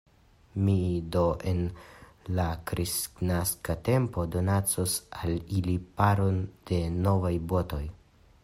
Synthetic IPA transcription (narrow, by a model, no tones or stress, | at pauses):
mido̞ʔe̞n | lakɾisknaskate̞mpo̞do̞nat͡sosalilipaɾo̞nd̥e̞no̞vajbo̞to̞j